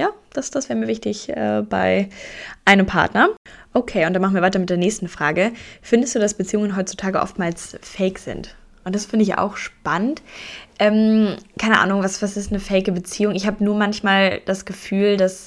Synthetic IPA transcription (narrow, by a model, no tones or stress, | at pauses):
jaːd̥asd̥asvɛːʁmiːɐvɪçtɪçʔɛ̰ːb̥a̰ɪʔaɪnəmpʰa̰ɐtnɐʔokʰeːʊntd̥anmaχn̩viɐvaɪtɐmɪt̚d̥eːɐnɛːçstn̩fʁ̥aːɡəfɪndəstd̥uːdasb̥ət͡siːʊŋənɦɔʏtt͡su̥tʰaːɡəʔɔ̰ftmaːlsfɛɪkz̥ɪ̰nt | ʔʊnt̚d̥asfɪndəɪçʔa̰ʊxʃpanəntʔɛːmkʰaɪnəʔa̰ːnʊŋvasv̥asɪstnəfɛɪɡəbət͡siːʊŋɪçhaːbənuːɐmançmaːld̥asɡ̥əfyːldas